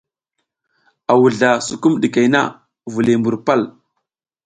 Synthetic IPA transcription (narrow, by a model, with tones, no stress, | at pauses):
a˨wu˨ɮa˨su˨ku˦mɗi˨ke˨jna̰˦ | vu˨li˨mbu˨ɾpa˦l